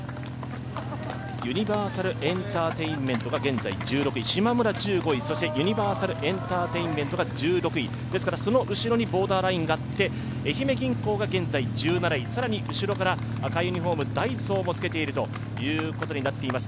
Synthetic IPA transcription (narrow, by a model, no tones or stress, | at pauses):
jɯ̟ɲ̟ibaːsaɾɯ̟ʔẽ̞nt̪aːt̪e̞ĩmmẽ̞nt̪o̞ɡaɡẽ̞nd͡za̰ḭd͡ʑɨːɾo̞kɯ̟iɕimamɯ̟ɾad͡ʑɨːɡo̞iso̞ɕit̪e̞jɯ̟ɲ̟ibaːsaɾɯ̟ʔẽ̞nt̪aːt̪e̞ĩmmẽ̞nt̪o̞ɡad͡ʑɨːɾo̞kɯ̟i | d̪̥e̞sɨ̥kaɾaso̞noʔɯ̟ɕiɾo̞ɲ̟ibo̞ːd̪aːɾaĩŋɡaːt̪ːe̞ː | çime̞ɡʲĩŋko̞ːɡaɡẽ̞nd͡zaid͡ʑɨːnaɾaisaɾaɲ̟iʔɯ̟ɕiɾo̞kaɾa | akaiɯɲ̟iɦo̞ːmɯ̟d̪aiso̞ːmo̞t͡sɨ̥ke̞t̪e̞iɾɯ̟t̪o̞ | jɯ̟ːko̞t̪o̞ɲ̟inat̪ːe̞imasɨ̥